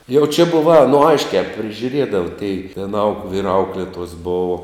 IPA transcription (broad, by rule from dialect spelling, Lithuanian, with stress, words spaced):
jɛʊ t͡ʃʲɛ ˈbʊʋɐ ɐ noː ˈɐɪʃʲkʲæː pʲrʲɪʒʲʊˈrʲeːdɐʋɐ tʲɛɪ ʋʲiɛn ɐʊk ʋʲiːr ˈɐʊklʲeːtuɔs ˈboːʋoː